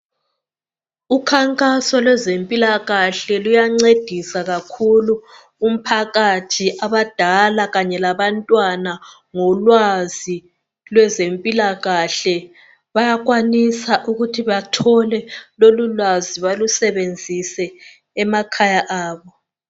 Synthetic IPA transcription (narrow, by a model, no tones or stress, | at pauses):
ukʰaŋkʼasɔlwɛzempʼilaɣaɬɛlujaŋ͡ǀed̥ʱisaɣakʰulu | um̩pʰaɣatʰiʔaβad̥ʱalaɣaɲɛlaβantʼwana | ŋɔlwazi | lwɛzempʼilaɣaɬɛ | βajaɣwanisaʔuɣutʰiβatʰɔlɛlolulwaziβalusɛβend͡zʱisɛː | makʰajaʔaːβɔ